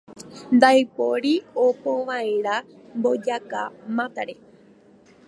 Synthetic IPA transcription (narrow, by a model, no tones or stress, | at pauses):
nd̪ajpoɾiopõʋaeɾa | mbo̞d͡ʒaka̰mãt̪aɾe